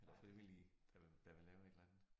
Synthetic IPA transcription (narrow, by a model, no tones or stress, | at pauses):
elɐfʁiʋilid̥ɑ̈d̥ɑ̈ʋe̝lɛːʊe̝d̥lænð̩ˠ